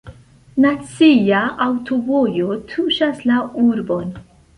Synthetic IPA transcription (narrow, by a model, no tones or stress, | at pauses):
nat͡sijaawtobojotʰuʃaslauɾbo̞n